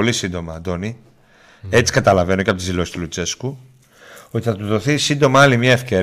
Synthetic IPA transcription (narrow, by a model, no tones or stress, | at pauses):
lisind̪o̞mɐd̪o̞ni | e̞t͡si̥kɐt̪ɐlɐve̞noceɐpot̪izðilo̞sist̪ulut͡se̞sku | o̞t̪iθɐt̪uðo̞θisind̪o̞mɐɐlimɲɐe̞fce̞ɾ